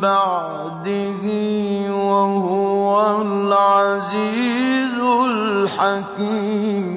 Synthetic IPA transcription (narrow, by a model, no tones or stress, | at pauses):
baʕ | d̪ɪɦiwaɦʊwalʕaziːzʊlħakim